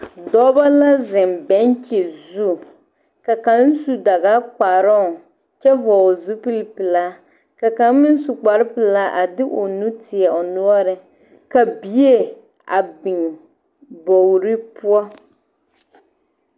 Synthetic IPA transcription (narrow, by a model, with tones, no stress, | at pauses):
dɔ˦ba˦la˦zɪ˨m˨bɛ˨˦n˦t͡ʃe˨zu˦ | ka˨ka˨n̩˦su˦da˨ɣa˦k͡pa˨ɾɔ˦˨ | t͡ʃɛ˦vɔ˨zu˦pɨ˦lpɨ˨la˨ | ka˨ka˨˦n˦mɪ˦n̩˦su˨k͡pa˨ɾɪ˦pɨ˨la˦ʔa˨dɪ˦ʔo˨nu˦tɪ˨ɛ˨o˨nu˦ɔ˦ɾɨ˨ | ka˨bi˦e˦ | a̰˨bɪ˨ŋ | bo˨wɾi˦pu˦ɔ˦